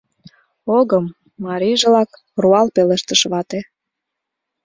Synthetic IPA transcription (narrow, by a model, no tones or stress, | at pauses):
oɣəmː | ɑɾiʒelɑk | ruɑlpeleʃt̪ə̆ʃβɑt̪e